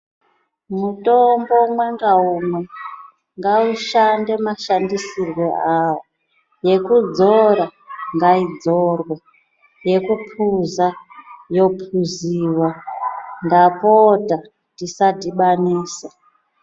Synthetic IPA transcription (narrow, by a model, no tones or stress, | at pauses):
mutʼombo̞mwe̞ŋɡaumwe | ŋɡauʃande̞maʃandisirweawo | je̞kud͡zoɾaŋɡaid͡zorwe | je̞kupʰuzajo̞pʰuziːwa | ŋɡapota | tisatiɓaniːsa